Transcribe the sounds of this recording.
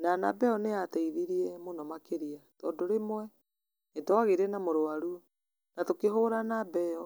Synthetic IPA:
nana̰bɛɔneatɛiðiɾiɛmonɔmakeɾiatɔːndoɾemwɛ | nedɔaɣeɾɛnamoɾowaɾuɔ | natokeɦoɾanabɛɔ

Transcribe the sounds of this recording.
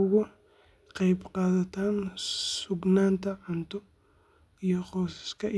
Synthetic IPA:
ɣʊ | qɑjbqɑːðɐt̪ʰaːnsʊɡnaːnt̪ʰɐʕʊnt̪ʰɔ | ijɔqɔːsɪ̥skʰɐ

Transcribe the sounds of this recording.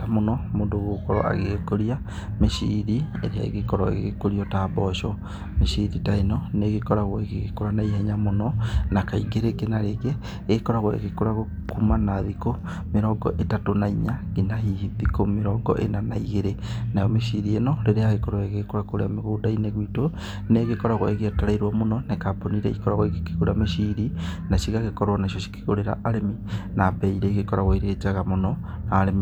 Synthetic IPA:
tamonɔmoːndoɣokɔɾɔ̰ʔa̰ɣekoɾia | meʃiːɾiḛɾeaḛɣekɔɾɔḛɣɣekoɾiɔtaːbɔʃɔ | meʃiɾitaenɔneɣekɔɾaɣwɔeɣeɣekoɾanaiɦɛɲamonɔnakaiɣeɾeɡenaɾeɣe | ɣekɔɾaɣwɔḛɣekoɾaɣo | kumanaðiko | meɾɔɡɔ̰ʔetatonaiɲaɣenaɦiðikomeɾɔɡɔ̰ʔḛnanaiɣeɾenajɔmeʃiɾienɔɾeɾeaɣekɔɾweɣekoɾakoɾḛameɣoːdaineɣwitɔ | neɣekɔɾaɣwa̰eɣeataɾaiɾwamonɔnekaponiɾɛḭkɔɾaɣwakekuɾameʃiɾinaʃiɣaɣekɔɾwanaʃɔʃi̥ke̥ɣoɾeɾa̰ʔaɾeminapɛiɾɛːɣekɔɾaɣwaiɾeet͡ʃaɣamonɔnaːɾemi

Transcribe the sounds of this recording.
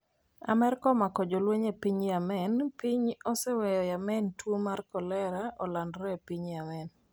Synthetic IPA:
a̰mɛɾkɔmakɔd͡ʒolweɲepiɲjamɛnpiɲɔsɛwɛjɔjamɛntwomarkɔlɛɾaʔɔlandɾɛpiɲjamɛn

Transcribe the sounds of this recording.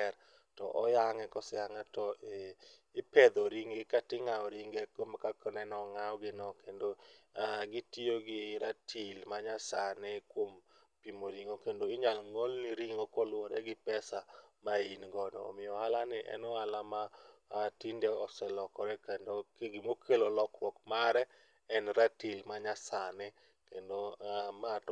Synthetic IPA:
ɛɾ | tɔʔɔ̰jaŋɛkɔsɛjaŋɛtɔ | ɪpɛd̪oɾiŋɪkatɪŋaɔɾiŋɡɛkomakakɔnɛnɔŋaɔɡɪnɔkendoaɡɪtioɡɪɾatʰilmaɲasanɛkwom | pimoɾiŋokendoɪɲalŋolniɾiŋokɔlʊwoɾɛɡɪpɛsamainɡɔnɔ̰ːmɪɔhalanɪʔɛ̰nɔalamatindɛɔsɛlɔkɔɾɛkɛndoɡɪmokʰelolɔkwɔkmaɾɛ | ɛnɾatilmaɲasanɪ | kendomat

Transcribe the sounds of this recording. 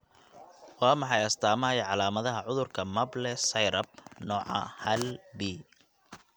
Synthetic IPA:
wɑːmɑħɑjɐst̪ʰaːmɐɐjɐʕɑlaːmɐðɐɦɐʕʊðʊrkʰɐmɐblɛsɐjɾɐb̚nɔːʕɑ̰hɐlbiː

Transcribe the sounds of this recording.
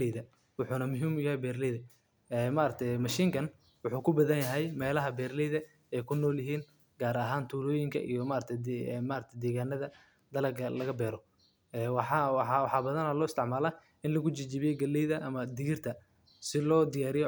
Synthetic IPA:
ɛðɐ | wʊħuːnɐmʊɦiːmʊjɐɦɛjbɛːɾlɛjðɐ | ɛmaːɾɐt̪ʰɛjmɐʃiːŋkʰɐn | wʊħuːkʰʊbɐðɐnjɐɦɛjmɛːlɐɦɐbɛːɾlɛjðɐ | ɛjkʰʊnːɔːljɐɦiːn | ɡ̥aːɾɐɦaːnt̪ʰuːlɔːjɪŋkʰɐ̰ʔḭjɔmaːɾɐt̪ʰɛmaːɾɐt̪ʰɛd̪ɛːɣaːnɐðɐ | d̪ɐlɐɡɐlɐɣɐbɛːɾɔ | ɛwħɑwwħɑːbɐðɐnɐlɔːɪst̪ʰɪʕmaːla | ɪnlɐɣʊt͡ʃɪt͡ʃɪβɪjɛɡɐlɛjðɐʔɐmɐd̪ɪɣɪrt̪ʰɐ | sɪlɔːd̪ɪjaːɾɪjɔ

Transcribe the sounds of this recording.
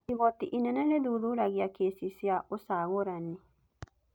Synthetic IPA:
iβɔtiʔinɛnɛlɛðuðuɾaɣjakesisjaʔosaɣoɾanːi

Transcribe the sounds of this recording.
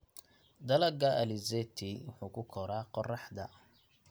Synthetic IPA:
d̪ɐlɐɡɐʔɐlizɛt̪ʰiwʊħuːkʰʊkʰɔɾaːqɔrɑħd̪ɐ̰

